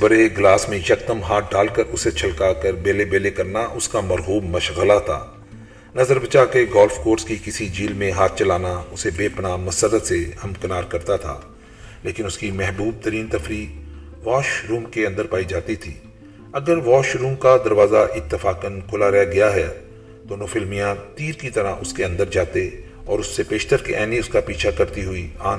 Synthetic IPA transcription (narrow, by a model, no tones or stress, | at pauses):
bəɾeɡlaːsmẽʃɐkt̪əmɦaːʈ̚ʰɖaːlkəɾʊset͡ʃʰəlkakəɾbeːlebeːlekɐɾnaʔʊskamɐɾɣuːbmɐʃɣəlat̪ʰa̰ː | nɐzəɾbət͡ʃakeɡɔːlfkoːɾskikɪsid͡ʒiːlmẽɦaːt̪̚ʰt͡ʃɐlaːnaʊsebeːpnamɐsəɾət̪sehɐmkənaːɾkɐɾt̪at̪ʰa̰ː | leːkɪnʊskimɛɦbuːb̚t̪əɾiːnt̪ɐfɾiːk | ʋaːʃɾũːmkeɐ̃nd̪əɾpaːid͡ʒaːt̪it̪ʰiː | ɐɡəɾʋɔːʃɾũːmkad̪ɐɾʋaːzaʔɪt̪ːɪfaːkənkʰʊlaɾɛɡɐjaɦɛː | d̪̥oːnoːfɪlmijãt̪iːɾkit̪ɐɾaʔʊskeɐ̃nd̪əɾd͡ʒaːt̪e | ɔːɾʊsːepeːʃt̪əɾkḛʔɛːniʊskapiːt͡ʃʰakɐɾt̪iɦʊiaː